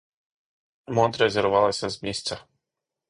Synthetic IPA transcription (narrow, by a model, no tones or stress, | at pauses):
mɔt̪ɾɛzʲɛɾvɑlˠɐsʲɐzmʲisʲt͡sʲɐ